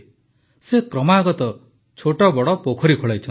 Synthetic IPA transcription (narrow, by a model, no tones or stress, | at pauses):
sekɾɔmaɡɔt̪ɔ | t͡ʃʰoʈɔbɔɽɔpokʰɔɾikʰoɭajt͡ʃʰɔn